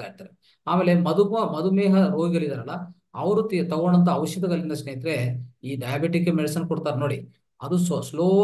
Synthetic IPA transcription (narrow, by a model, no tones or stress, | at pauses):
aːjiɾt̪aːɾe | aːmeːlemɐd̪uɐmɐd̪umeːɦɐɾoːɡiɡɐlid̪aɾɐlːɐ | ɐʋɐɾut̪it̪ɐɡoːɳɐnt̪ɐːʋɐʃjɐd̪ɐɡɐɭind̪ɐsnejt̪ɾeiːɖɐjabeʈikːemeɽisɐnkɔɽt̪aːɾenoːɽi | ɐd̪ussloː